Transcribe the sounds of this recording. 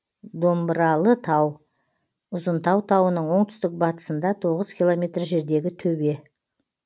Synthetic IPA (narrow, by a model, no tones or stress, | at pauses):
d̪o̞mbɾɑlˠət̪ʰɑw | ʊzənt̪ʰɑwt̪ʰɑwənəɴwo̞ɴt̪ʰʏ̥st̪ɪk̚bɑt̪ə̥sənd̪ɑt̪ʰo̞ʁəzkʲʰilˠo̞mʲe̞t̪rʒe̞ɾd̪e̞ɡʲɪt̪ʰɵbe̞